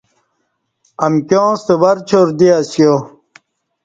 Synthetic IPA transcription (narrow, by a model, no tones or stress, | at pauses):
ɐmkʲjõːst̪ewɐɾt͡ɕʰoɾd̪iasjo